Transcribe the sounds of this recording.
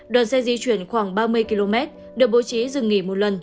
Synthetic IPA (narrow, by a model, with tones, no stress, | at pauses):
ɗwaː˨˩nsɛ˧zi˨˦t͡ɕwi˧˩ənxwaː˧˩ŋɓaː˧mɨ˧əjki˧lo˧mɛ˦˥t̚ | ɗɨ˨˩ək̚ɓo˨˦t͡ɕi˨˦zɨ˨˩ŋːi˧˩mo˨˩t̚lə˨˩n